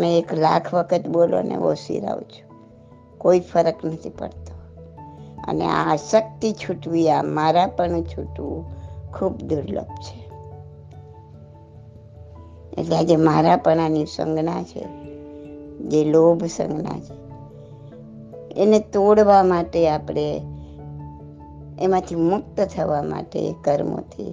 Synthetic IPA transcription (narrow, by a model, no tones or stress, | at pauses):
meekla̰kʰʋəkʰət̪bolo̰nḛʋo̰sḭɾa̰wt͡ʃʰu̥ | koifəɾəknət̪ʰipə̰ɽt̪o | ə̰nḛasək̚t̪it͡ʃʰuʈʋiamaɾapəɳt͡ʃʰuʈʋukʰubd̪uɾlə̰bt͡ʃʰe̥ | ḛʈlead͡ʒemaɾapəɳanisə̰ŋɡnat͡ʃʰḛ | d͡ʒelobʱsə̰̃ŋɡna̰t͡ʃʰe̥ | enet̪oɽʋamaʈeapɽ̃e | mãt̪ʰimʊkt̪t̪ʰəʋama̰ʈḛkəɾmo̰t̪ʰḭ